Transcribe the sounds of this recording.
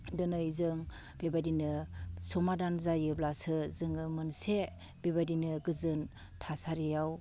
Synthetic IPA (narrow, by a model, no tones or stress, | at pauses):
dɯnɯjzɯŋ | bebadinɯsɔmadanzajɯblasɯzɯŋɯmɯnse | bebadinɯɡɯzɯn | tʰasaɾijaw